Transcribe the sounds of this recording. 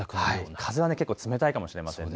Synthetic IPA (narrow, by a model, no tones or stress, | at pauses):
kaikʰazɨβane̞ke̞kːoːt͡sɨme̞t̪aikamo̞ɕiɾemasḛ̃